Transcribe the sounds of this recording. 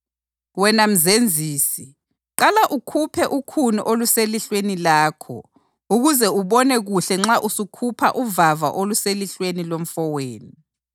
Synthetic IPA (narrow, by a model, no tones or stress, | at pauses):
wɛnam̩zend͡zʱiːsi | ǁalaʔukʰupʰɛʔukʰuniʔoluseliɬwenilaːkʰɔ̰ | uɣuzɛuɓɔnɛɣuɬɛŋ͡ǁaʔusukʰupʰa̰ʔuvava̰ʔoluseliɬwenilom̩fɔweːni